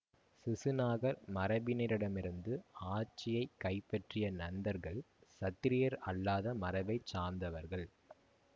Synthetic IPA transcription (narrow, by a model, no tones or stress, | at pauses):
sɪsɯnaːɣɐɾmɐɾɐbɪnɪɾɪɽɐmɪɾɯnd̪ɯaːt͡ʃːɪjɐɪkːɐɪpːɐʈrɪjɐnɐnd̪ɐɾɣɐɭ | sɐt̪ːɪɾɪjɐɾɐɭːaːðɐmɐɾɐʋɐɪt͡ʃaːɾmd̪ɐʋɐɾɣɐɭ